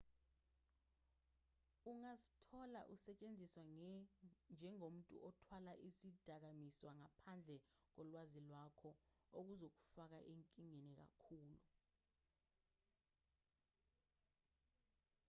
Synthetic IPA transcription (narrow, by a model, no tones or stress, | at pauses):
uŋazi̥tʰɔla̰ʔusɛt͡ʃʼend͡zʱiswa | nd͡ʒʱɛŋom̩tʼṵʔɔtʰwalaʔisid̥ʱak̬amiswaŋapʰand͡ɮʱɛk̬ɔlwazilwakʰɔok̬uzok̬u̥fak̬aʔeŋkʼiŋɛnɛk̬a̰kʰuːlu